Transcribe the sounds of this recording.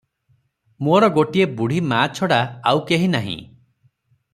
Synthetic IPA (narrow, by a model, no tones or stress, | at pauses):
moɾɔɡoʈiebuɽ̤ʱimaːt͡ʃʰɔɽaawkeɦinaɦḭ̃